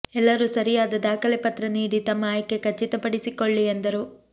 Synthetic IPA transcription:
ɛlːɐɾusɐɾijaːd̪ɐd̪aːkɐlepɐt̪ɾɐniːɽit̪ɐmːɐaːjkːekɐt͡ʃːit̪ɐpɐɽisikoɭːiend̪ɐɾu

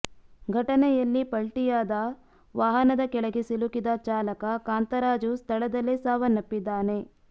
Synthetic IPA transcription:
ɡʱɐʈɐnɛjɐlːipɐɭʈijaːd̪ɐ | ʋaːɦɐnɐd̪ɐkɛɭɐɡesilukid̪ɐt͡ʃaːlɐkɐkaːnt̪ɐɾaːd͡ʒust̪ʰɐɭɐd̪ɐleːsaːʋɐnːɐpːid̪ːaːne̞

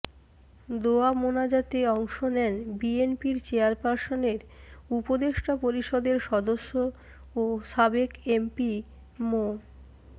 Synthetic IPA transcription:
d̪oamonad͡ʑat̪eɔŋʃonɛnbienpiɾt͡ɕeaɾpaɾsoneɾupod̪eʃʈʰapoɾiʃɔd̪eɾʃɔd̪oʃːo | oʃabekempi | mo

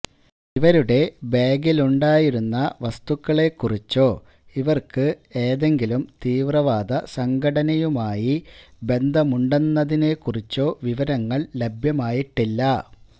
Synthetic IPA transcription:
iʋɐɾuɽe̞beːɡiluɳɖaːjiɾunːɐʋɐst̪ukːɐɭe̞kːurit͡ɕːo̞ː | iʋɐrkɨe̞ːðe̞ŋɡilumt̪iːʋrɐʋaːd̪ɐsɐŋɡʱɐɽɐnɐjumaːjibe̞nd̪ʱɐmuɳɖenːɐðine̞kːurit͡ɕːo̞ːʋiʋɐɾɐŋːɐɭle̞bʱjɐmaːjiʈːilːɐ

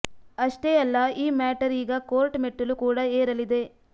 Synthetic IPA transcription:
ɐʂʈeɐlːɐiːmaːʈɐɾiːɡɐko̞ːɾʈmeʈːulukuːɽɐeːɾɐlid̪e̞

